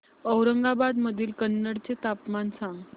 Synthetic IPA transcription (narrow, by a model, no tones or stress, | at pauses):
əwɾəŋɡabad̪məd̪ʱiːlkənːəɽt͡set̪apmansãŋɡ